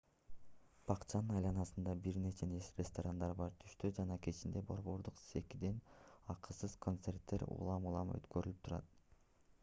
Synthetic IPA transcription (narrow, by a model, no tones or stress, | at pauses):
b̥ɑqt͡ʃʰɑnɯnɑjlˠɑnɑsɯnd̪ɑbiɾne̞t͡ʃe̞nesrʲest̪oɾand̪ɑɾbɑɾt̪ʰy̥ʃt̪ød͡ʒɑnɑkʰe̞t͡ʃind̪e̞bo̞ɾβo̞ɾd̪uqsekid̪enɑqɯsɯz̥kʰo̞nt̪se̞rt̪ːe̞ɾṵlˠɑmulˠɑmø̰t̪køɾylypt̪ʰuɾɑ̰t̪̚